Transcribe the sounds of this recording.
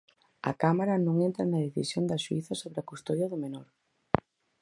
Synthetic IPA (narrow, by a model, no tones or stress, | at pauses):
ɐ̰kamaɾɐnõŋent̪ɾɐ̰nɐðeθḭsjond̪ɐʃuiθɐsoβɾɪɐkust̪oðjɐðʊmenoɾ